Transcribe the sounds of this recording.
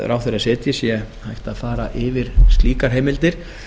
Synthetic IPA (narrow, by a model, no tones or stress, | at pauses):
ɾʔawθeɾasɪːt̪jɪsjɛhajht̪aðfaːɾaʔɪvɪɾ̥st̪liːkaɾ̥ɦeːjmɪlt̪ɪɾ̥